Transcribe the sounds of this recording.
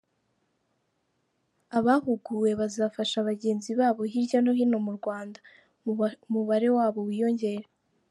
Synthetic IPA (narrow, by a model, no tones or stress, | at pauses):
aβahuɡuwe̞βazaːfaʃaβaɟe̞ːnziβaːβo̞ɦiɾɟanoɦino̞muɾɡwaːnda | muβaɾe̞waːβo̞wiːjo̞ɲɟe̞ːɾe